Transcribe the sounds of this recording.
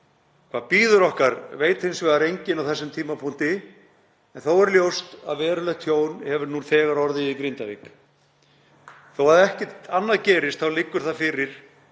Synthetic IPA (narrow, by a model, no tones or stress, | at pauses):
kʰvaðpiːðʏɾɔhkaɾvejt̪hɪnsvɛːðaɾejɲcɪnawθɛsːʏmt̪ʰiːmapʰuŋ̥t̪ɪ | ɛnθowɛɾljowst̪a̰ðvɛːɾʏlɛxt̪ʰjoːwnhɛvʏɾnuːnθɛːɣaɾɔɾðɪikɾɪnt̪avḭk | θowhaðɛhcɛt̪anːaðcɛːɾɪst̪θawlɪkːʏɾ̥θaðfɪɾɪɾ̥